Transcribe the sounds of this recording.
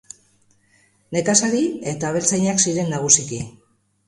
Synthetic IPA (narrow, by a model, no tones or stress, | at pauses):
ne̞kasaɾie̞t̪aβ̞e̞lt͡sajɲaksiɾe̞nːaɣ̞usiki